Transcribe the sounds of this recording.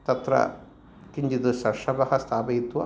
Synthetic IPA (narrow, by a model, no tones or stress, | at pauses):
t̪ɐt̪ɾɐ̰ | kiɲd͡ʒid̪usɐʂɐbɐhɐst̪ʰaːbɐjit̪ːuʋɐ